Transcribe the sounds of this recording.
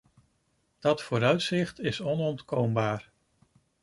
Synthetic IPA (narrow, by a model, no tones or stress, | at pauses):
d̥ɑtfʊːɾœɥtsɪχtɪsɔnɔntkowmbaːɹ